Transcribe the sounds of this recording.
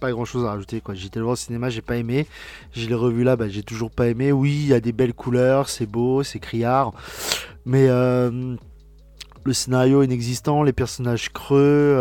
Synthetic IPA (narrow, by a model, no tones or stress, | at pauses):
paɡʁɑ̃ʃozaʁaʒut̪ekwaʒet̪ɛlvɑ̃sinemaʒepaeme | ʒəleʁəvylabaʒet̪uʒuʁpaemewilad̪ebɛlkʰulœʁsɛbosɛkχijaʁ | mɛøm | ləsenaʁjoɛnɛɡzist̪ɑ̃lepɛʁsɔnaʒkχø